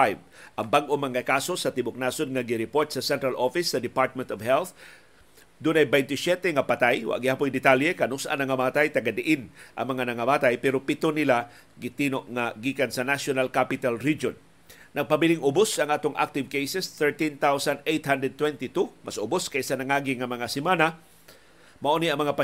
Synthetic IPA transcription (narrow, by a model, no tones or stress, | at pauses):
ajvʔɐŋbaɡʔomaŋakasosɐt̪ɪbʊk̚naːsod̪̚ŋaɡɪɾɪpoɹt̪̚sɐsɛ̃nt̪ɾalʔofɪsːɐd̪ɪpaɹt̪̚mɛ̃nt̪ɔvhɛlθ | d̪unajbɛjnt̪ɪsjɛt̪ɛŋapat̪ajwa̰ʔɡɪhaːpʊjd̪ɪt̪aljɛkanʊsa̰nɐŋamaːt̪ajt̪aɡad̪ɪʔɪnʔɐ̰ŋmɐŋanɐŋamaːt̪ajpɛɾopɪt̪onɪla | ɡɪt̪iːnoʔŋaɡikansɐnasjonalkapɪt̪alɾid͡ʒonː | ɐɡ̚pabilɪŋʔʊbʊsɐŋaːt̪ʊŋʔa̰k̚t̪ɪvkejsɛsθɛɹt̪int̪awsanʔejt̪hand̪ɾɛd̪̚t̪wɛnt̪ɪt̪umasʔʊbʊskaʔisanɐŋaːɡɪŋɐmɐŋasɪmana | mɐʔoniɐŋmɐŋapa